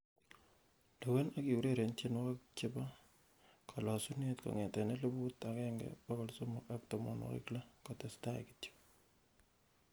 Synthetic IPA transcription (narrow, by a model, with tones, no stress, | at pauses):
le˨we˦na˦ki˨wu˨ɾe˦˨ɾe˨ntje˦n˦ka˦k̚t͡ʃɪ˦ba˦ | kʰɔ˨lɔ˨su˦ne˦tkɔ̰˨ŋɛ˨tɛ˨ne˦lə˦bu˦ta˨kɛ˦ŋɡɛ̰bɔ˦kɔ˨lso˦mo˨a˦k̚tɔ˨mɔ̰˨nwɔ̰˨kɪ̰˦kla˦kɔ˨tɛ˨sta˦j̰ki̥ti̥˦p